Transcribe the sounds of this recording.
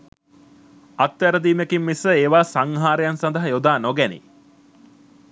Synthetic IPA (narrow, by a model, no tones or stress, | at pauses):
at̪ʋæɾəd̪iːmekimːisəeːʋaːsaŋɦaːɾejansand̪əɦəjod̪aːnoɡænḭ